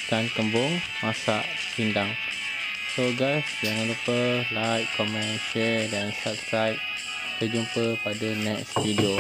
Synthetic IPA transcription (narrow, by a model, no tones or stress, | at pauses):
kankəmbʊŋ | mãsaʔ | t͡ʃindaŋ | soɡasd͡ʒaŋãnɾupəlajtkɔmɛ̃nʃɛdansap̚skɾajp̚ | t̪əd͡ʒumpəpadanɛkstidio